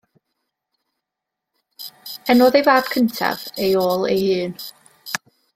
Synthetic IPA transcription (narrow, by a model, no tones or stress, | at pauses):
ɛnɔːðejvaːb̥̚kʰəntʰa̰vejoːlˠḛjhɨːn